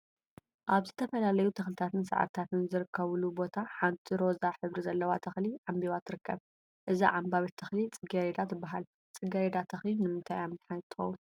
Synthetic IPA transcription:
ʔaβzɨt̪ʰɐfɐlalɐjut̪ʰɐxlɨt̪ʰat̪ʰɨnsa̰ʕa̰ɾt̪ʰat̪ʰɨnzɨɾɨkːɐβlubo̞t̪ʰaħant̪ʰiɾo̞zaħɨβɾizɐlːɐwat̪ʰɐxliʕambiβat̪ʰːɨɾɨkːɐβ | ʔɨzḭʕambaβɐt̪ʰːɐxlit͡sʼɨɡɐɾed̪at̪ʰɨbːaɦal | t͡sʼɨɡɐɾed̪at̪ʰɐxlinɨmɨnt̪ʰajamnħajt̪ʰɨ̥xɐ̰wun

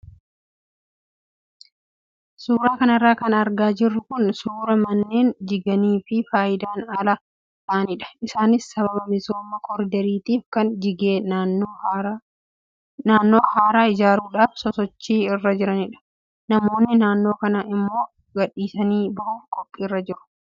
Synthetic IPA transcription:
suːɾaːkɐnɐrːaːkɐnɐɾɡaːd͡ʒɪrːʊkʊnsuːɾɐmɐnːeːnd͡ʒɪɡɐniːfɪfaːjɪd̪aːnɐlɐ | t̪ɐʔnɪᶑɐ̥ʔɪsaːnɪsːɐbɐbɐmɪso̞ːmːɐkʰɔɾɪd̪ɐɾiːt̪iːfkɐnd͡ʒɪɡeː | naːnːo̞ːhaːɾaːɪd͡ʒaːɾuːᶑaːfsɔsɔt͡ʃːiːɪrːɐd͡ʒɪɾɐnɪᶑɐ̥ | nɐmo̞ːnːɪnaːnːo̞ːkɐnɐʔɪmːo̞ː | ɡɐᶑiːsɐniːbɐʔuːfkʼɔpʼːiːrːɐd͡ʒɪɾʊ̥

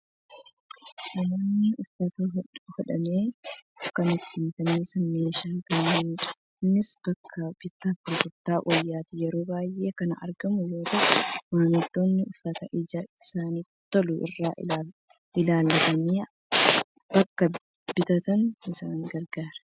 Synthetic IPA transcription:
ʔɐnɐːnːɪʔʊfːɐt̪ɐhɔᶑɐmeː | kɐnɪt̪ːiːt̪ɐmeːsɐnme̞ːʃaːŋkɐnːɐːnt͡ʃʼɐ̥ | nːɪsb̥ɐkʰːɐb̥ɪt̪ːɐkʊɾɡʊɾt̪ːaːʔɔjːaːt̪ɪjɛɾo̞ːbaːjʔe̞ːkɐnɐʔɐ̰ɾɡɐmʊjoːt̪ɐmaːnɪd̪oːnːɪʊfːɐt̪ɐʔɪd͡ʒaɪsaːniː | t̪ːɐlʊʔɪ̰rːaː | ɪlaːlːɐt̪ɐniː | b̥ɐkːɐ | bɪt̪ɐt̪ɐnɪsaːŋɡɐɾɡaːɾɐ̥

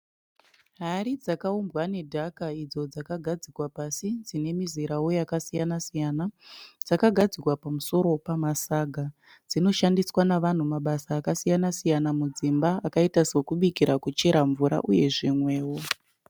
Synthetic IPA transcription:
ɦaɾid͡zakaumbwane̞dʱakaid͡zo̞d͡zakaɡʱad͡zikwapasid͡zine̞miziɾawo̞jakasijanasijanad͡zakaɡʱad͡zikwapamuso̞ɾo̞pamasaɡʱa | d͡zino̞ʃandiswanaʋan̤umaɓasaːkasijanasijanamud͡zimbaːkaitaswokuɓikiɾakut͡ʃe̞ɾaɱvuɾa̰ʔuje̞ʐimwe̞ːwo

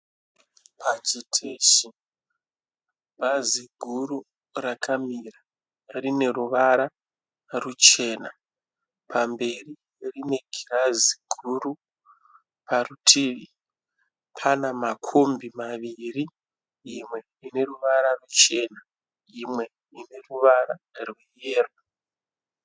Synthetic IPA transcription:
pʰat͡ʃitʰeʃi | bʱaziɡʱuru | rakʰamira | rine̞ruʋaɾa | rut͡ʃe̞ːna | pʰambe̞ri | rine̞ɡʱiraziɡʱuru | parutʰiːʋi | pʰanamakʰombimaʋiri | imwe̞ | ine̞ruʋaɾarut͡ʃe̞na | imwe̞ | ine̞ruʋaɾarwejeːra

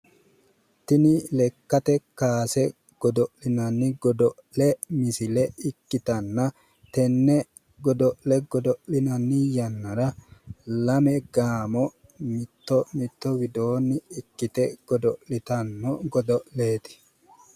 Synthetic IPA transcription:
t̪ɪnɪlɛkːɐt̪ɛkaːsɛ | ɡ̥ɔd̪ɔʔlɪnɐnːɪɡɔd̪ɔʔlɛmɪsɪlɛɪkːɪt̪ɐnːɐ | t̪ɛnːɛ | ɡɔd̪ɔʔlɛɡɔd̪ɔʔlɪnɐnːɪjɐnːɐɾɐ | lɐmɛɡaːmɔ | mɪt̪ːɔmɪt̪ːɔwɪd̪oːnːɪɪkːɪt̪ɛɡ̥ɔd̪ɔʔlɪt̪ɐnːɔɡɔd̪ɔʔleːt̪ɪ̥

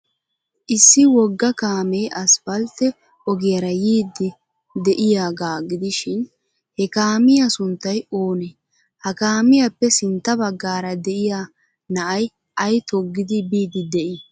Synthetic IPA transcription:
ʔɪsːɪwɔɡːɐkaːmɛjʔɐsfɐlt̪ɛ | ʔɔɡɪjɐɾɐjiːd̪ːɪ | d̪ɛʔɪjaːɡaːɡɪd̪ɪʃɪn | hɛkaːmɪjɐsʊnt̪ːɐjoːnɛ | hɐkaːmɪjɐpːɛsɪnt̪ːɐbɐɡːaːɾɐd̪ɛʔɪja | nɐʔɐj | ʔɐjt̪ɔɡːɪd̪ɪbiːd̪ɪd̪ɛʔɪ

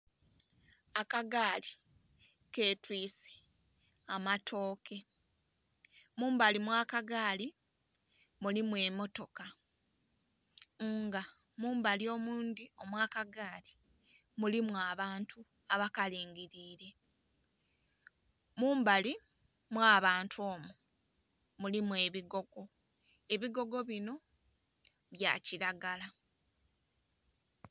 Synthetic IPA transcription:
akaɡaːli | ke̞ːtwiːse̥ | amatʰo̞ːkʰe̞ | muːmbalimwaːkaɡaːli | mulimwe̞mo̞to̞ka | ŋɡa | muːmbalio̞ːmuːndio̞mwaːkaɡaːli̥ | mulimwaβaːntu | aβakaliːŋɡiɾiːɾe̞ | muːmbali | mwaːβaːntʰwo̞ːmu | mulimwe̞ːβiɡo̞ɡ̥o̞ | e̞βiɡo̞ɡo̞βino̞ | βja̰ːciɾaɡala

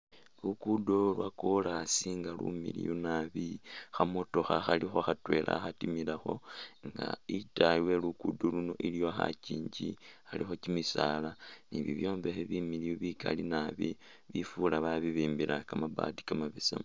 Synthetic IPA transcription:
lukudolwakolasiŋɡalṵmilḭjunaβixamoto̞xaxalixoxatwe̞lʔa̰xatimilaxo̞ŋɡa̰itaiwe̞lukudoluno̞ʔilijo̞xa̰ciːɲɟixalixo̞cimisalaniβḭβjo̞ːɱvexeβimiliuβika̰linaβi | βifulaβaβiβiːmbiɾakamaba̰ːti̥kamaβisa̰m

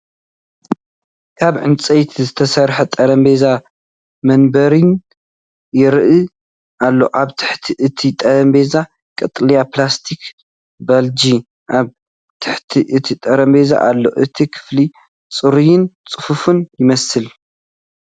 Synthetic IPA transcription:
kʰaβʕɨnt͡sʼejt̪ʰzɨt̪ʰɐsɐɾħɐt̪ʼɐɾɐmbe̞za | mɐnbɐɾin | jɪɾɨʔɨ | ʔalːo̞̰ʔaβt̪ʰɨ̥ħt̪ʰiʔɨt̪ʰit̪ʼɐɾɐmbe̞za | kʼɐt̪ʼlijaplast̪ʰik | bɐld͡ʒi | ʔaβ | t̪ʰɨ̥ħt̪ʰiʔɨt̪ʰit̪ʼɐɾɐmbe̞za̰ʔalːo̞̰ʔɨt̪ʰikʰɨ̥fli | t͡sʼɨɾujɪnt͡sʼɨfufunjɪmɐsɨl

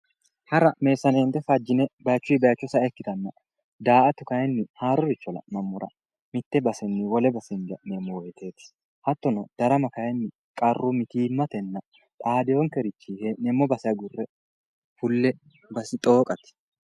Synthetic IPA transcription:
hɐɾɐme̞ːsːɐneːnt̪ɛfɐd͡ʒːɪnɛbɐjt͡ʃːʊjbɐjɐt͡ʃːʊsɐɛkːɪt̪ɐnːɐ | d̪aːɐt̪ʊkɐjɛnːɪhaːɾʊɾɪt͡ʃːɔlɐ̰nɐmːʊɾɐ̰ | mɪt̪ːɛbɐsɛnːɪwɔlɛbɐsɛnd͡ʒɐnemːɔwɔjɛt̪eːt̪ | hɐt̪ːɔnɔd̪̥ɐɾɐmɐkɐjɛnːɪ | kʼɐrːʊmɪt̪iːmːɐt̪ɛnːɐ | ᶑ̪ʼaːd̪ɪjɔŋkɛɾɪt͡ʃːihenɛmːɔbɐsɛɐɡʊrːɛ | fʊlːɛ | bɐsɪt̪ʼo̞ːkʼɐt̪

